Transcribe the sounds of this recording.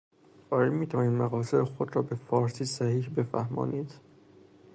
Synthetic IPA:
ɒːɾimiːt̪ʰævɒːniːd̪mæɣɒːseɾexod̪ɾɒːbe̞fɒːɾsiːsæhiːhbe̞fæ̰hmɒ̰ːnʔiːd̪̥

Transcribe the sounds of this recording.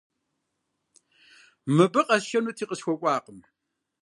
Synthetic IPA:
mɨbɨqʼɐʃɐnutʰiːqʼəsxʷɔkʷʼaːqəm

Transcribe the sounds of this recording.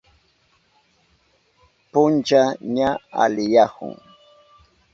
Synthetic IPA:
pʊnt͡ʃaɲaa̰lɪjahʊ̰ŋ

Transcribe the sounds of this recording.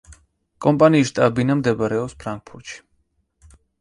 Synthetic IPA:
kʼɔmpʼaniːʃt̪ʼabinamd̪ɛbaɾɛɔpspʰɾaŋk̚pʰuɾt̪ʃi̥

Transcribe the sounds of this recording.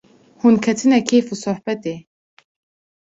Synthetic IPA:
hunkʰɛt̪ʰɨnɛkʰefusʊħbɛt̪eː

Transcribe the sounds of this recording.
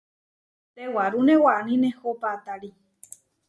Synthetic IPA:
t̪ewaɾunewaanĩnehopat̪aɾi

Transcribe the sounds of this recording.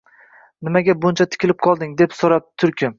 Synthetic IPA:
nɪmaɡʲabʊnt͡ʃʰat̪ʰɪ̥kʲʰɪlɪp̚qʰɒlˠd̪ɪŋd̪e̞psoɾap̚t̪ʰʊɾkʲʰɪm

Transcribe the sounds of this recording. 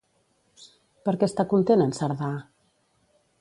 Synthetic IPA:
pəɾkɛst̪akunt̪enənsəɾða

